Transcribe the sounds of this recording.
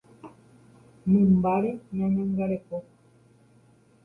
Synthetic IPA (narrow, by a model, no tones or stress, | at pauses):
mĩmbaɾeɲãɲãŋɡaɾeko